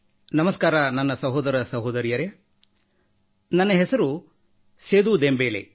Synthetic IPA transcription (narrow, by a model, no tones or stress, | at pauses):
nɐmɐskaːɾɐnɐnːɐsɐɦɔːd̪ɐɾɐsɐɦoːd̪ɐɾijɐɾe | nɐnːɐɦesɐɾu | seːd̪ud̪embeːlḛ